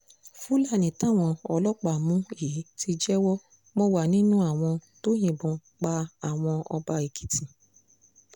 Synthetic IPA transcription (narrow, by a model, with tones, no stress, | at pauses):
fu˦la˦˨nĩ˨tã˨˦˨w̃ɔ̃˧ɔ˧lɔ˦k͡pa˦˨mũ˦ji˨˦ti˧d͡ʒɛ˦wɔ˦ | mɔ̃˧wa˨nĩ˦nũ˦a˦˨w̃ɔ̃˧to˦j̃ĩ˨bɔ̃˧ | k͡pa˧a˨w̃ɔ̃˧ɔ˧ba˧i˨ki̥˨tĩ˨